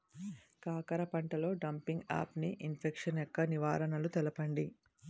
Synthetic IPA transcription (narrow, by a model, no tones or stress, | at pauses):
kaːkɐɾɐpɐɳʈɐlo̞ːɖɐmpiŋɡa̰ːpniʔinpʰekʂɐnɛkːɐniʋaːɾɐnɐlut̪ɛlɐpɐɳɖi